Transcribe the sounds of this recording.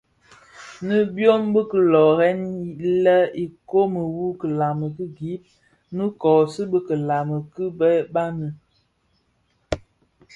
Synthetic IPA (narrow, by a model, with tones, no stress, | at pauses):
nə˦bjo˦mbə˦kə˦˨lɔ˨ɾɛ˦ni˦lə˦i˨ko˦mə˨wu˦kə˨la˨mə˨kə˦ɡi˨˦p̚ | nə˦kɔ˨sə˦bə˦kə˨la˨mə˨kə˦bɛ˦ba˦nə˨